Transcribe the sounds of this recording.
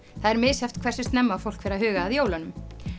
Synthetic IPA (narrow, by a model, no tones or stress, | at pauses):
θaðɛɾmɪðsjɛft̪kʰv̥ɛr̥sɪst̪nɛmːafowl̥kfɛɾaɦʏːɣaːðjoːwlanʏm